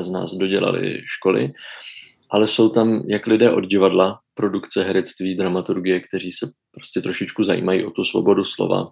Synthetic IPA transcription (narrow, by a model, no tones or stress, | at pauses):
zna̰ːzdo̞ɟɛla̰lɪ̰ʃko̞lɪ̰ | ʔalɛso̞wt̪amjaklɪdɛːʔo̞d̪ɟɪvadlapɾo̞dukt͡sɛɦɛɾɛt͡st̪viːd̪ɾamat̪uɾɡɪjɛkt̪ɛɾ̝iːsɛ | pɾo̞scɛt̪ɾo̞ʃɪt͡ʃkuzajḭːmajḭːʔo̞t̪usvo̞̰bo̞duslo̞̰va̰